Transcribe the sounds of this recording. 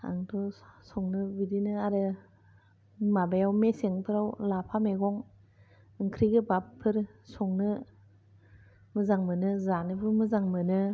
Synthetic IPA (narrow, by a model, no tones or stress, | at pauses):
a̰ŋtʰɔsɔŋnɯbidinɯaɾɯ | mabajawmeseŋpʰɯɾawlapʰameɡɔŋ | ɯŋkʰɾiɡɯbappʰːɯɾsɔŋnɯ | mɯzaŋmɯnɯzanɯpʰɯɾmɯzaŋmɯnɯ